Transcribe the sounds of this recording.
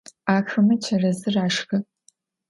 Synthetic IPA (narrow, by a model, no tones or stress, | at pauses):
aːxɨmɐt͡ʃʰɐrɐzɨraːʂxɨ